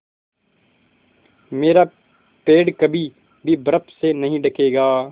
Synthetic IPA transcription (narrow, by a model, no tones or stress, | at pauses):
meːɾaː | peːɖkɐbʱi | bʱibɐɾəpsenɐɦĩɖɐkʰeːɡaː